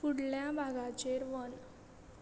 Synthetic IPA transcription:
fuɽljabʱaɡat͡ɕeɾʋən

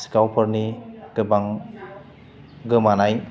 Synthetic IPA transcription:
skawpʰəɾniɡɯbaŋ | ɡɯmanaj

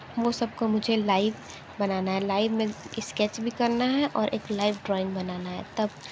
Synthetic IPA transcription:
ʋosɐb̚komʊd͡ʒʱelaːɪʋ | bɐnaːnaɦɛlaːɪʋmẽɪskɛt͡ʃbʱikɐɾnaɦɛʔɔːɾʔḛːklaːɪʋɖɾɔːɪ̃ŋɡbɐnaːnaɦɛ̰t̪ɐb

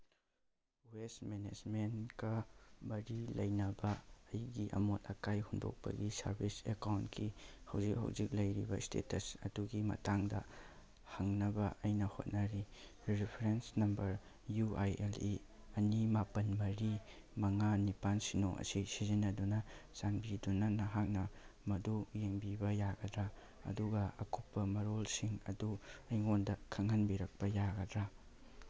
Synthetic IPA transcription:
wesmened͡ʒmenkɐbɐɾilɐjnɐbɐːjɡiʔɐ̰motɐkajhundo̰k̚pɐ̰ɡisɐ̰ɾbʱisekawntkʰihɐwzik̚hɐ̰wzik̚lɐjɾibɐistḛtɐsɐduɡimɐ̰taŋdɐ̰ | hɐŋnɐbɐʔɐjnɐho̰t̚nɐɾiɾipʰɾensnɐmbɐɾ | juʔajeli | ɐnimapɐnmɐɾi | mɐŋanipansino̰ʔɐ̰sisizinɐdunɐsanbidunɐnɐɦak̚nɐmɐdujeŋbibɐjaɡɐdɾa | ɐ̰duɡɐɐ̰kʰupːɐmɐɾolsiŋɐ̰duɐjŋondɐkʰɐŋhɐnbiɾɐk̚pɐjaɡɐdɾa

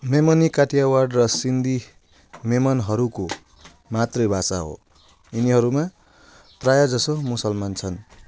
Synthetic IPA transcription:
memʌnikaʈʰijawarɖrʌsind̪ʱi | memʌnɦʌɾuko | mat̪rʌjbʱasa̰ɦo̰ | iniɦʌɾuma | prajad͡zʌsomusʌlmant͡sʰʌn

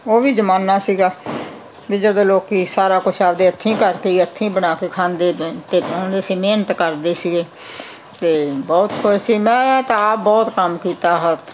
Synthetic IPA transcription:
oːʋiːd͡ʒəmaːnaːsiːɡaː | biːd͡ʒəd̪õːloːkiːsaːɾaːkʊt͡ʃʰaːbd̪eːət̪ʰːĩːkəɾkeːiət̪ʰːĩːbəɽaːkeːkʰãːnd̪eːt̪eːõːnd̪eːsiːmeːnət̪kəɾd̪eːsiːɡeː | t̪eːbɔːt̪kʰʊʃsiːmɛ̃ːt̪ãbɔːt̪kəmkiːt̪aːɦət̪

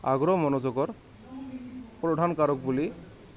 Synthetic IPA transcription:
a̰ɡɹɔmɔnɔzɔɡɔɹ | pɹɔdʱankaɹɔk̚buli

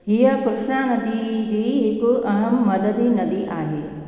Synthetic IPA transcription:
ɦiəkʊɾɪʃnanɐd̪id͡ʑiːɦɪkʊ̆ɐɦəmːɐd̪əd̪ʱinɐd̪iʔaːɦeː

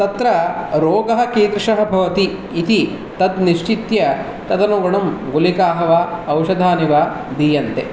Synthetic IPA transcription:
t̪ɐt̪ɾɐɾoːɡɐɦɐ̆kiːd̪ɾʂɐɦɐ̆bʱɐʋɐt̪iː | t̪i | t̪ɐd̪niʂt͡ʃit̪jɐ | t̪ɐd̪ɐnuːɡɐɳɐmɡulikaːɦɐʋaːɐwʃɐd̪ʱaːniʋaː | d̪iːjɐnt̪e

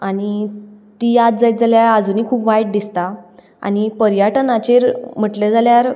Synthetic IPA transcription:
añit̪ijat̪̚d͡zajt̪̚d͡zaljaɾəd͡zuniːkʰuːpʋajʈ̚d̪ist̪a | a̰ñipəɾjəʈənat͡ɕeɾm̤əʈled͡zaljaɾ

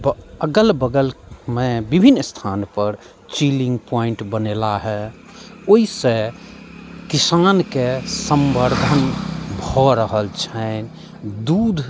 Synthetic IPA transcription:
əɡəlbəɡəlmebibʱinːst̪ʰanpəɾ | t͡ʃilĩŋɡpɔiɳʈbənelaɦɛ | oisẽ | kisankesəmbəɾd̪ʱənbʱɔɾəɦəlt͡ʃʰən | d̪ud̪ʱ

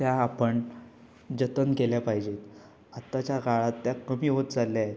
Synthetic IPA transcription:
t̪jaːpəɳ | d͡ʑət̪ənkeljapaɦid͡ʑet̪ | at̪ːat͡ɕjaɡʱaɭat̪ːjakəmiːɦot̪d͡zalːjae

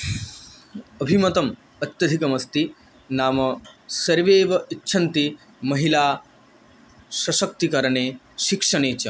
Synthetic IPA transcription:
ɐbʱimɐt̪ɐm | ɐt̪jɐd̪ʱikɐmɐst̪i | naːmɐsɐɾʋeːʋɐitːʃʰɐnt̪i | mɐɦilaː | sɐʃɐk̚t̪ikɐɾɐɳeː | ʃikʂɐɳ̃eːt͡ɕɐ

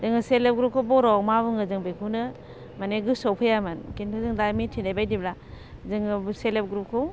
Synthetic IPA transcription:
zɯŋɯselep̚ɡɾup̚kʰɯbɔɾɔmabɯŋɯzɯŋbekʰunɯ | maneɡɯsɔwpʰɯjamɯnkinpʰɯzɯŋdajmitʰindajbajdibla | zɯŋɯbselep̚ɡɾup̚kʰɯw

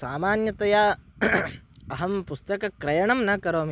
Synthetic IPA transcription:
saːmaːnjɐt̪ɐja | ɐɦɐmpust̪ɐkɐkɾɐjɐɳɐmnɐkɐɾoːm

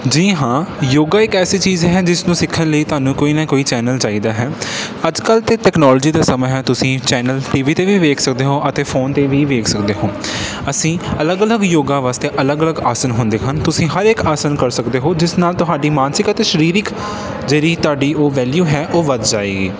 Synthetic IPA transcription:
d͡ʒiːɦãːjoːɡaːɪkɛːsiːt͡ʃiːzɦɛːd͡ʒɪsnũːsɪkʰːənləiːt̪ʊaːnũːkoːiːnãːkoːiːt͡ʃɛːnəlt͡ʃaːiːd̪aːɦɛːəd͡ʒkəlt̪eːʈɛːknɔːlːd͡ʒiːd̪aːsəmɛ̃ɦɛːt̪ʊsĩːt͡ʃɛːnəlʈiːʋiːt̪eːʋiːʋeːkʰsək̚d̪eːɦoːʔət̪eːfʰoːnt̪eːʋiːʋeːkʰsək̚d̪eːɦoː | əsĩːələɡələɡjoːɡãːʋaːst̪eːʔələɡələɡaːsənɦʊ̃nd̪eːɦənt̪ʊsĩːɦəɾɪːkaːsənkəɾsəkd̪eːɦoːd͡ʒɪsnaːlt̪ʊɦaːɖiːmaːnsɪkət̪eːʃəɾiːɾɪk | d͡ʒeːɾiːt̪ʊaːɖiːʔoːʋɛːljuːɦɛːʔoːʋəd̪d͡ʒaːeːɡḭː

